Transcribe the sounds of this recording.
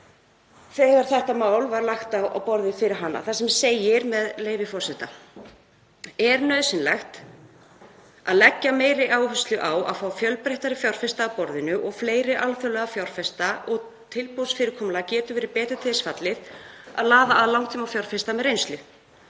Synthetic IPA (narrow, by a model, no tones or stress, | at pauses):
θɛɣaɾ̥θɛht̪amaːwlvaɾlaxt̪awa̰wpɔɾðɪfɪɾɪɾ̥ɦanːa̰θasɛmseːjɪɾmɛðleːjvɪfɔr̥sɛht̪a | ɛɾnœðsɪnlajxt̪ | aðlɛcːameːjɾɪʔaːwhʏst̪lʏʔaːwa̰ðfaːwfjœlpɾeht̪aɾɪfjawr̥fɛst̪aːwpɔɾðɪnʏʔɔɣfleːjɾɪʔalfœlɛɣafjawr̥fɛst̪aʔɔɣ | t̪ʰɪlpowsfɪːɾɪɾkʰɔmlacɛːt̪ʏvɛːɾɪɾpɛːt̪ʏ̥t̪ʰɪːðsfat̪lɪða̰ðlaːðaːðlawŋt̪ʰʏmafjawɾ̥fɛst̪amɛðɾrejnst̪lʏ